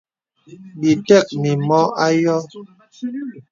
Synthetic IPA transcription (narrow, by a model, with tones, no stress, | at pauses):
bi˨tɛ˦˨k̚mi˨mɔ˦a˦jɔ˦